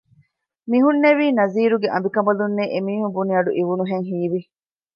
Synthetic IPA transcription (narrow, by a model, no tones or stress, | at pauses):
miɦunːeʋiːnɐziːɾuɡeʔɐ̰mbikɐmbɐlunːeʔemiːhumbuniɐɖṵʔiʋunuɦeŋɦiːʋi